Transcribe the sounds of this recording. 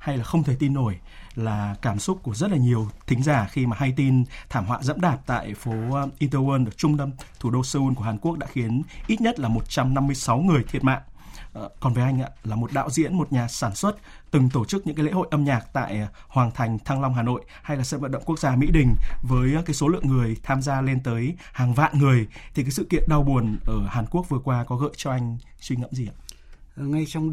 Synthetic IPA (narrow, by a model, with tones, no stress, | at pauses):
ha˧jlaː˨˩xə˧wŋ͡mt̪ʰə˨˩jt̪i˧nːo˧˩j | laː˨˩kaː˧˩msʊ˦˥t̚ku˧˩əzə˦˥t̚laː˨˩ɲi˨˩əwt̪ʰï˨˦ŋ̟zaː˧˩xi˧maː˨˩ha˧jt̪i˧nt̪ʰaː˧˩mhwa̰ː˧˨zə̰˧˥mɗaː˨˩p̚t̪a̰ː˧˨jfo˨˦ʔi˧t̪əː˧wəː˧nɗɨ˧˨˩ək̚t͡ɕʊ˧ŋ͡mt̪ə˧mt̪ʰu˧˩ɗo˧səː˧ʔu˧nku˧˩əhaː˨˩nku˦˥ək̚ɗaː˧˥xi˨˦ənʔi˦˥t̚ɲə˦˥t̚laː˨˩mo˨˩t̚t͡ɕa˧mna˧mːɨ˧əjsa˨˦wŋɨ˨˩əjt̪ʰi˨˩ət̚ma̰ː˧˨ŋkɔ˨˩nvə˨˦jʔa˧jŋ̟ʔa̰ː˧˨laː˨˩mo˨˩t̚ɗa̰ː˧˨wzḭ˧˥ənmo˨˩t̚ɲaː˨˩saː˧˩nswə˦˥t̚ | t̪ɨ˨˩ŋt̪o˧˩t͡ɕɨ˦˥k̚ɲɨ̰˧˥kaː˨˦lḛ˧˥ho̰˧˨jʔə˧mɲaː˨˩k̚t̪a̰ː˧˨jhwaː˨˩nt̪ʰa˨˩jŋ̟t̪ʰa˧ŋla˧wŋ͡mɦaː˨˩no̰˧˨j | ha˧jlaː˨˩sə̰˧˨nvə̰˧˨nɗə̰˧˨wŋ͡mku˦˥ək̚zaː˧mḭ˧˥ɗï˨˩ŋ̟vəː˨˦jkaː˨˦jso˨˦lɨ̰˧˨əŋːɨ˨˩əjt̪ʰaː˧mzaː˧le˧nt̪əː˨˦j | haː˨˩ŋva̰ː˧˨nŋɨ˨˩əjt̪ʰi˨˩k̬aː˨˦jsɨ̰˧˨kḭ˧˨ənɗa˧wɓu˨˩ənʔəː˧˩haː˨˩nku˦˥ək̚vɨ˨˩əkwaː˧kɔ˨˦ɣə̰ː˧˨jt͡ɕɔ˧ʔa˧jŋ̟ | swi˧ŋə̰˧˥mzi˨˩aː˧˨ | ŋa˧jt͡ɕɔ˧wŋ͡m